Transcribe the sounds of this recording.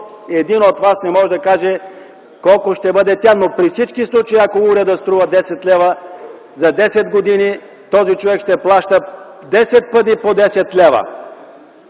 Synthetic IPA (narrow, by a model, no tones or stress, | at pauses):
ɛd̪inot̪vasnɛmɔʒɛd̪ɐkaʒɛ | kɔlˠkoʃt̪ɛbɤd̪ɛt̪ʲanopɾifsit͡ʃkislˠut͡ʃɐiɐkouɾʲɛd̪ɐst̪ɾuvɐd̪ɛsɛt̪lʲɛvə | zɐd̪ɛsɛd̪ɡod̪ini | t̪ɔzit͡ʃovɛkʃt̪ɛplˠaʃt̪ə | d̪ɛsɛt̪̚pɤt̪̬ipod̪ɛsɛt̪lɛvə̰